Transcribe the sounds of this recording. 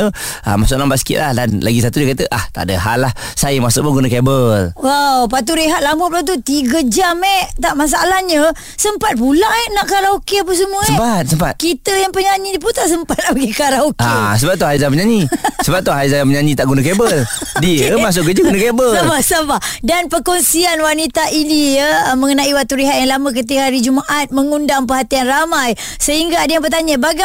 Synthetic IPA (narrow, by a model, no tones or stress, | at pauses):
ə | a̰masʊʔlambaʔsə̥kḭʔ̪lahdanla̰ɡisat̪udiəkat̪əʔaht̪a̰ʔdəɦalah | sajəmasʊ̰ʔ̚pʊŋɡunakɛbəlwawpat̪̬uɾeɦat̪̚lambʊtplat̪̬ut̪iɡəd͡ʒamɛt̪aʔmas̬aalahɲə | səmpat̪̚pulaʔɛnaʔkaɾaokeapəs̬əmusəmpat̪̚səmpat̪̚kit̪əjaŋpəɲaɲiəp̬unt̪aʔs̬əmpat̪apəɡikaɾaokasəbap̚t̪ʊhajzapəɲaɲisəbap̚t̪ːʊɦajzajapəɲaɲĩt̪aʔɡunakɛbəldiəmas̬ʊʔɡəd͡ʒəɡunəkɛbəabasabadanpəkɔnsianwanit̪aʔinijəməŋənaʔiwat̪uɾiɦat̪̚jaŋlamək̬ət̪̬ihaɾid͡ʒumaʔat̪̚məŋundaŋpəɦat̪ianramaj | səɦiŋɡaːdajaŋpərt̪̬aɲabaɡa